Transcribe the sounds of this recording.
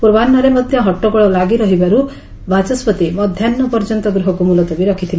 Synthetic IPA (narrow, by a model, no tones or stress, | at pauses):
puɾbanːɔɾemɔt̪jɔɦɔʈːɔkɔɭɔlaɡiɾɔɦibaɾu | bad͡ʒɔsbɔt̪imɔd̪ʱjanːɔpɔɾd͡ʒɔnt̪ɔɡɾɔɦɔkumulɔt̪ɔbiɾɔkʰit̪ʰili